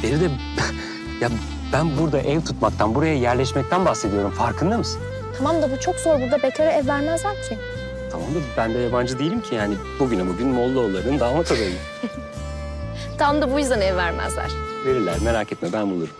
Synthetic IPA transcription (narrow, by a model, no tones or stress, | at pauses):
b̥e̞ɾid̪ɛ | ja | b̥ænbuɾd̪aʔɛvt̪ʰut̪mak̚t̪ʰanbuɾajajæɾlʲɛʃmɛc̚t̪ʰænbaxse̞d̪ijo̞ɾumfaɾkʰɯnd̪amɯsɯ̥n | t̪ʰamamd̪abut͡ʃʰo̞kzo̞ɾbuɾd̪abecʰeɾɛɛvːæɾmæzlʲæɾcʰɪ | t̪ʰamamd̪abænd̪ɛjaband͡ʒɯd̪ijelʲimcʰijaːni | buɟynɛbuɟynmolˠːuolˠːaɾɯnɯnd̪aːmat̪ʰad̪ajɯ | t̪ʰamd̪abujyzd̪ænɛvːæɾmæ̰zlʲæ̰ɾ̥ve̞ɾiɾlʲæ̰ɾme̞ɾaːcʰet̪mɛbænbulˠuɾum